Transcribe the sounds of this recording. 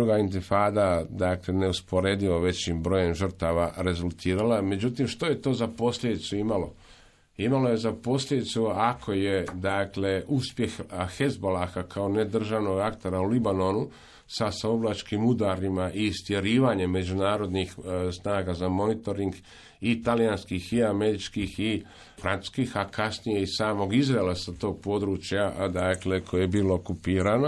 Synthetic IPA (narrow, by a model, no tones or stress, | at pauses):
uɡaint̪ifaːd̪ad̪akle̞ne̞uspo̞ɾe̞d̪iʋoʋe̞t͡ɕimbɾo̞ːjemʒər̩t̪aʋaɾe̞zulˠt̪ʰiːɾalame̞d͡ʑut̪imʃt̪o̞je̞t̪o̞ːzapo̞slʎʲed̪it̪suimalo̞ | imalo̞je̞zapo̞sʎʲed̪it̪suakʰo̞je̞d̪akle̞ʔuspje̞xxe̞zbolaxakʰaone̞d̪r̩ʒaʋno̞ɡakt̪e̞ɾaulibano̞nu | sasaoblˠat͡ʃkimud̪aːɾimaʔist̪jeɾiːʋaɲe̞mːe̞d͡ʒunaːɾo̞d̪nixsnaːɡazamo̞nit̪o̞ɾiŋɡ | it̪alijanskixiame̞ɾit͡ʃkixi | fɾansu̥skiːxakasnije̞isaːmo̞ɡizɾaelˠasat̪o̞ːɡ̚po̞d̪ɾuːt͡ʃjad̪akle̞kʰojejebiːlokupiːɾano